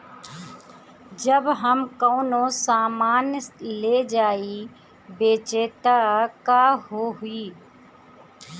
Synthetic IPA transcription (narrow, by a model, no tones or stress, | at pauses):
d͡ʒəbɦəmkoːnõsaːmaːnleːd͡ʒaːi | beːt͡ʃeːt̪akaːɦoːɦʊiː